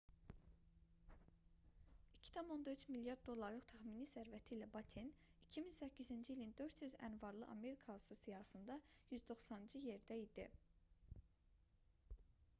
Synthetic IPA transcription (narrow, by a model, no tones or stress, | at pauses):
icʰi̥t̪ʰɑmo̞nd̪ɑyt͡ʃʰmiljɑɾd̪ːo̞lˠːɑɾlˠɯχt̪ʰæxminisæɾvæt̪ʰiːlæbɑt̪ʰen | icʰiminsæcːizind͡ʒiilind̪ø̞ɾt̪ʰjyzæ̰nvɑɾlˠɯʔɑ̰me̞ɾikʰɑlˠsɯsijɑhɑsɯnd̪ɑjyzd̪o̞xsɑnɯnd͡ʒɯje̞ɾd̪æid̪ḭ